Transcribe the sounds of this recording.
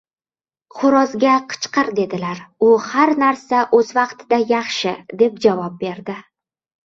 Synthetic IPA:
χʊɾɒzɡʲaqʰɨ̥t͡ʃqɨɾd̪e̞d̪ɪlaɾʊhaɾnaɾsaʔɵzvɑqt̪ʰɪd̪ajɑχʃɪd̪e̞p̚d͡ʒavɒp̚be̞ɾd̪ɪ

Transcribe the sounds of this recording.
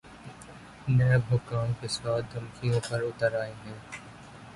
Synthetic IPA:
nɛːbʱʊkaːnkesɔːɾd̪ʱɐmkijõpɐɾʊt̪əɾaːeɦɛ̃ː

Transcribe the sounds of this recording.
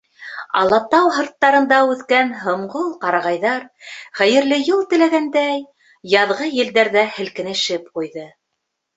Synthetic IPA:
ɑ̰lˠɑt̪ɑwɦɤ̆ɾt̪ːɑɾɤ̆nd̪ɑʉðkænɦɤ̆ɴʁolˠqɑɾɑʁɑjðɑɾχæjɘ̆ɾlɘjɤlˠt̪ɘ̆læɡænd̪æj | jɑðʁɤjɘ̆ld̪æɾðæhɘ̆lkɘ̆nɘ̆ʃɘp̚qujðɤ

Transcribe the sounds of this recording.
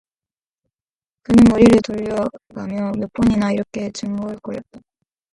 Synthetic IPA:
kɯnɯnmʌɾiɾɯɭtoʎːʌɡamjʌmop͈ʰʌɲinaiɾʌkʰe̞t͡ɕɯŋmuɯɭk͈ʌjʌt̚t͈ḁ

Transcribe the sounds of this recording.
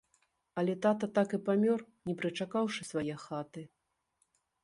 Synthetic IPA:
ɐlʲɛt̪at̪ɐt̪akɨpamʲɔr | nʲɛpɾɨt͡ʂakawʂɨsvajɛxat̪ɨ

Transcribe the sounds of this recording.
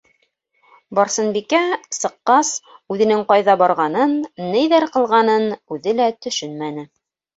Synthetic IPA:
bɑɾsɤ̆nbikæsɤ̆qːɑsʉðɘ̆nɘŋqɑjðɑbɑɾʁɑnɤnːɘ̆jðæɾqɤ̆lˠʁɑnɤnʉðɘlæt̪ɵ̆ʃɵnmænɘ

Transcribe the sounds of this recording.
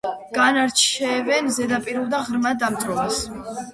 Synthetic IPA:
ɡ̥anaɾt͡ʃʰɛvɛnzɛd̪apʼiɾulˠd̪aʁɾmad̪amt̪ʼɾɔvas

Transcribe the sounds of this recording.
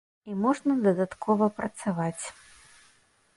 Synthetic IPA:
imɔʐnɐd̪ɐd̪at̪kʰɔvɐpɾɐt̪savat͡sʲ

